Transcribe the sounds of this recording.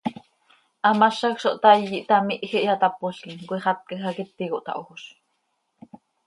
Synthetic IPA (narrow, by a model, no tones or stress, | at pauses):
ʔɑmɑʃɑkʃoʔt̪ɑjːiʔt̪ɑmiʔxiʔɑt̪ɑpoɬkiŋkʷiχɑt̪̚kxɑkit̪ːikoʔt̪ɑ̰ʔooʃ